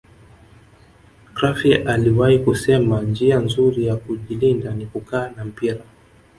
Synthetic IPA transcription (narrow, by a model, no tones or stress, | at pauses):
kɾafiʔaliwahikusɛmand͡ʒianzuɾijakuʄilindanikukaːnam̩piɾa